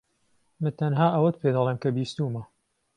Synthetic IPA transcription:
mɨnt̪ʰɐnɦaːʔɐwɐd̪̚pʰeːd̪ɑleːmkɐbiːst̪uːmɐ

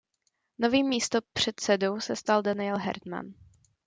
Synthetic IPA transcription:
no̞viːmːiːst̪o̞pr̝̥ɛt̪sɛdo̞wsɛst̪aldanɪɛlɦɛ̰ɾt̪ma̰n

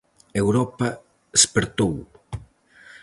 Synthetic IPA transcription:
ewɾɔpɐ | espeɾt̪ow

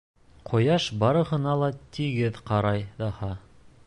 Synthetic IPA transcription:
qʰŏjɑʃbɑɾɤ̆hɤ̆nɑlˠɑt̪iɡɘðqɑɾɑjd̪ɑhɑ

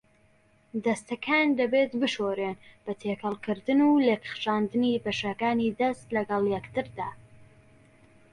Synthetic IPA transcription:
d̪ɐst̪ɐkʰaːnd̪ɐbet̪bɨʃoɾeːnb̥ɐt̪ʰeːkʰɐlˠkɨɾd̪ɨnulekχʃaːnd̪ɨnibeʃakaːnid̪ɐst̪lɐɡɐlˠjɛkt̪ɨɾd̪aː

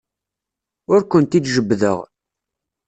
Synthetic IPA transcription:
ʊɾkʷənt̪id̪ʒəbːðə̰ʁ

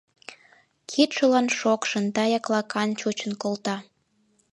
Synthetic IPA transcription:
kʰit̪ʃəlɑnʃokʃənt̪ɑjɑklɑkɑnt͡ɕut͡ɕənkolt̪ɑ

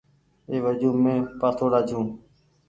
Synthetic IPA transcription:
eːʋəd͡ʒũːmẽːpaːt̪ʰoːɽaːd͡ʒʰjũː

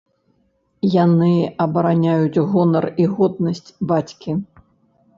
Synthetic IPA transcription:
janɨɐbɐɾanʲajut͡sʲɣɔnɐriɣɔd̪̚nɐsʲt͡sʲbat͡sʲkʲi

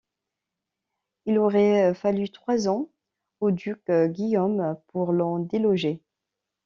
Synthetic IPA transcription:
ilɔʁɛfalyt̪χwazɑ̃ | od̪ykɡʲijompuʁlɑ̃d̪elɔʒe

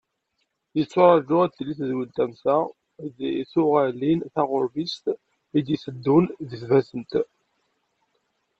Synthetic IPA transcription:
jət͡sːʊɾˤɑʒʊʁæt̪ːlːiθzwilt̪æmsæ | d̪θʊʁælːinθɑʁʊɾvist̪ | id̪isəd̪ːʊnðəθvæzənt̪

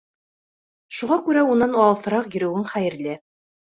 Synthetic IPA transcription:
ʃuʁɑkʉɾæunːɑnɑlˠθɤ̆ɾɑqjɵ̆ɾɵ̆wɘŋχæjɘ̆ɾlɘ

